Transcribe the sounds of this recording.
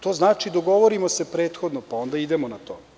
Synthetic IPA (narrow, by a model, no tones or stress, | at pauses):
t̪o̞znaːt͡ʃid̪oɡo̞ʋoɾimose̞pɾeːt̪xod̪nopao̞nd̪aid̪emonat̪o̞ː